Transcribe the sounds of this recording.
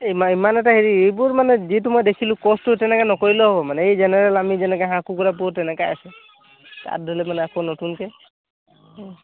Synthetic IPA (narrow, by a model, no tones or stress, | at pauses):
imaimanɛʈaɦeɾiejbuɾmanɛd͡ʒitumɔjd̪ekʰilũkɔsʈutɛnɛkanɔkoɹilɔɦɔbɔmanɛejd͡ʒenɛɾɛlamid͡ʒɛnɛkaɦãkukuɾap̬uɾtɛnɛkaa̰sɛ | t̪a̰ɾd̪ʱɔlɛmanɛakonɔtunke